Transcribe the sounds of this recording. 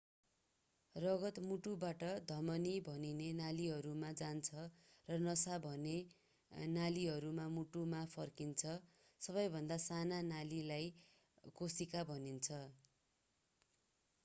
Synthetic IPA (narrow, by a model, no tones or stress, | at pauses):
rʌɡʌt̪muʈubaʈʌd̪ʱʌmʌnibʱʌninenaliɦʌɾumad͡zant͡sʰʌrʌnʌsabʱʌne | naliɦʌɾumamuʈumapʰʌrkint͡sʰʌ | sʌbʌjbʱʌnd̪asananalilaj | kosikabʱʌnint͡sʰʌ